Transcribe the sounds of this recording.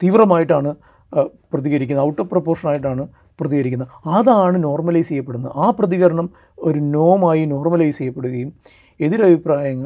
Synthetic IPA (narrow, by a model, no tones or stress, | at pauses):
t̪iːʋrɐmaːjiʈːaːɳɨ | prɐðiɣɐɾikʲːunːɐuʈːoːpropːoːrʂɐnaːjiʈ̬ːaːɳɨ | prɐðiɣɐɾikʲːunːɐðɐðaːɳɨno̞ːrmɐlɐjsejːɐpːe̞ɽunːɐaːprɐðiɣɐɾɐɳɐm | o̞ɾuno̞ːmaːjino̞ːrmɐlɐjsejːɐpːe̞ɽuɣɐjum | e̞ðiɾɐbʱipraːjɐŋːɐɭ